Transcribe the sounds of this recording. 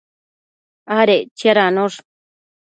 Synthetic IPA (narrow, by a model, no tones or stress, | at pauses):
aɾet͡ʃjaɾanoʂ